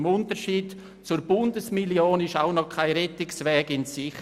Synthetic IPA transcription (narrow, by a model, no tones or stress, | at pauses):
mʊntəɾʃiːd | t͡sʊɾbʊndəsmiljoːnɪʃaʊnɔkʰaɪɾɛtɪksvɛːɡɪnsɪχ